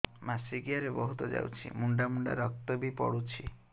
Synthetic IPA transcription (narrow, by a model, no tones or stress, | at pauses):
masiɡiaɾebɔɦut̪ɔd͡ʒa̰wt͡ʃʰḭmuɳɖamuɳɖa̰ɾɔk̚t̪ɔbipɔ̰ɽut͡ʃʰi